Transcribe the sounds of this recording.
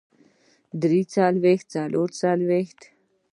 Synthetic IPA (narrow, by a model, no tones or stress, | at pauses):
d̪ɾiːt͡salʋext̪̚t͡salʔoɾt͡salʋext̪